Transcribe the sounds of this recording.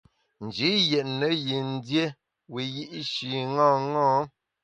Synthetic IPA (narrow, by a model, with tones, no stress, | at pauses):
n̩˨d͡ʒi˨˦jɛ˨ʔnə˨ji˨n̩˦dje˦ | wi˨ji˦ʔʃi˨ŋɔ̃˦ŋɔ̃˦